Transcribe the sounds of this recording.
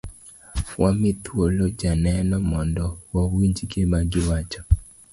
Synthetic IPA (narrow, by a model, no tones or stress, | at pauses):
wamɪt̪wolod͡ʒanɛnɔmɔndɔwawiɲd͡ʒɡemaɡɪwat͡ʃɔ